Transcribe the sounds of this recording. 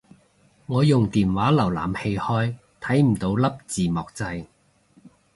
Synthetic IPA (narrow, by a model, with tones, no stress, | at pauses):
ŋɔː˨˧jʊ˨˩ŋt̪iː˨˩nwaː˨˥lɐ˨˩wla̰ː˨˩mhe˧jhɔː˥j | t̪ʰɐ˨˥jm̩˨˩t̪o˧wlɐ˥p̚t͡siː˨mɔː˨k̚t͡sɐ˧j